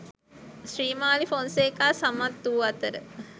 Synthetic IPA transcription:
sriːmaːlifonseːkaːsamat̪ːuːat̪əɾə

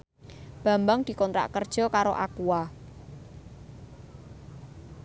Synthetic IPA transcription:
b̥ä̤mbaŋd̪̥i̤kɔnt̪ɾa̰ʔkərd̥ʒ̥ɔ̤kaɾoʔakua

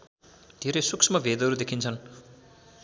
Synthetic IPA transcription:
d̪̥ʱeɾʌjsuksʰmʌbʱed̪ʌɾud̪ekʰint͡sʰʌn

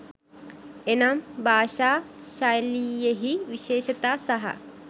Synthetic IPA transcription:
enaːmbʱaːʃaː | ʃaːjlijɐɦiʋiʃeːʃɐt̪aːsɐɦɐ̰

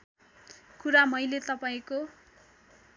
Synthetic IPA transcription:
kuɾamʌjlet̪ʌpaĩko

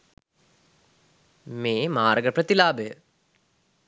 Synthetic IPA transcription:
meːmaːɾəɡəprət̪ilaːbəjə

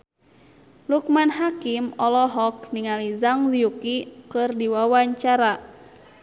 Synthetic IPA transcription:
luk̚manhakimɔlɔɦɔk̚niŋalizaŋziukikɨrdiwawaɲt͡ʃaɾa

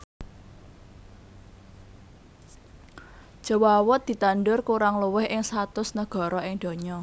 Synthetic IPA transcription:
d͡ʒ̥ə̤wawʊt̪̚d̪̥i̤t̪anɖʊrkuɾaŋluwɪhʔɪŋsat̪ʊsnəɡ̥ɔ̤ɾɔʔɪŋd̪̥o̤ɲɔ

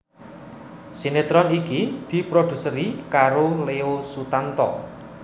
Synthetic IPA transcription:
sinet̪ɾɔnikid̪̥i̤pɾod̪̥ṳsəɾikaɾoleosut̪ant̪ɔ̰

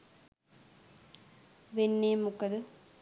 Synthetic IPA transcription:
ʋenːeːmukːɐðɯ

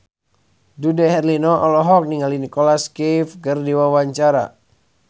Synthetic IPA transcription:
dudɛɦɛrlinɔʔɔlɔɦɔk̚niŋalinikɔlaskefkərdiwawaɲt͡ʃaɾa̰

